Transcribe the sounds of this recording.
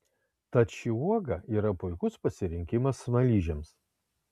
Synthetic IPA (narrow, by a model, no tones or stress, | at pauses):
t̪ɐt̪ʃʲiuɔɡɐiːɾɐpʊɪkʊspɐsʲɪɾʲɪŋʲkʲɪmɐsnɐlʲiːʒʲɛms